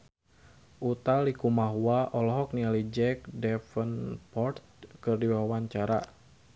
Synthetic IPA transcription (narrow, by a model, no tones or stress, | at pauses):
ʔut̪alikumaɦuaʔɔlɔɦɔk̚nialid͡ʒɛk̚dɛfənpɔrt̪̚kɨrdiwawaɲt͡ʃaɾa